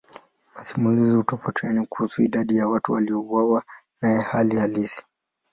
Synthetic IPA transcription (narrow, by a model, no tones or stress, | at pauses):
masimuliziutɔfatɛnikuhusuiɗaɗijawatuwaliɔuwawanajɛhalihalisi̥